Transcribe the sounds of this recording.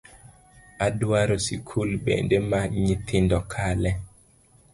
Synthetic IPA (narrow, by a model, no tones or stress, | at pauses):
adwaɾosikʰulbḛndemaɲit̪ʰɪndɔkʰalɛ